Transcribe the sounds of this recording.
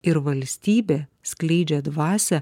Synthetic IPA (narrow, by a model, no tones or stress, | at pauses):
ɪɾʋɐlʲsʲt̪ʲiːbʲeːsklʲɛɪd͡ʒʲɛd̪ʋɑːsʲɛ